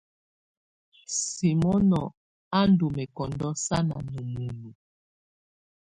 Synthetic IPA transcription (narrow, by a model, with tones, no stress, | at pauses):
si˨mɔ˦nɔ˨ | a˦n˦du˨mɛ˨kɔ˨ndɔ˦sa˦na̰˨nu˨mu˨lu˨